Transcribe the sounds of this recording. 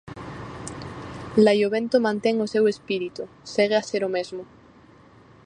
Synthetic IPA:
lajoβẽnt̪omãnt̪eŋosewespiɾit̪u | seɣeaseɾomezmo

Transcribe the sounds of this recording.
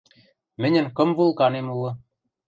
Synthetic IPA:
mɘ̆nʲɘ̆nkɤ̆mvulˠkɑnemulɤ̆

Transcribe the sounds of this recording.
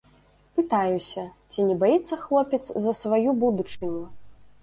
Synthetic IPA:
pɨt̪ajusʲɐt͡sʲinʲɛbajit̪sːɐxlˠɔpʲɛt̪szɐsvajubud̪ut͡ʂɨnʲu

